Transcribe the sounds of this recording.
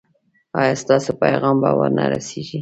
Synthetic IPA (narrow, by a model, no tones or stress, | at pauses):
ɑjɑst̪ɑsopajɣɑmbɑwaɾnaɾaseʒi